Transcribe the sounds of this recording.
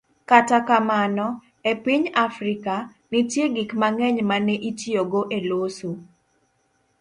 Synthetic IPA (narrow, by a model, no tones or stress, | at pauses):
katakamanɔ | epiɲafɾika | nitjeɡikmaŋɛɲmanɛʔitjoɡoʔeloso